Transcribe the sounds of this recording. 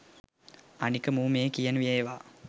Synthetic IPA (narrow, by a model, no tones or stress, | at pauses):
ɐnikːɐmuːmeːkijɐnʋieːʋaː